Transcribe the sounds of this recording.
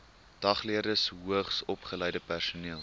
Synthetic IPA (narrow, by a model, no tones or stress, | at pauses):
d̥ɐχliərdəsɦuəχsɔpχəlɛjdəpærsuniəlˠ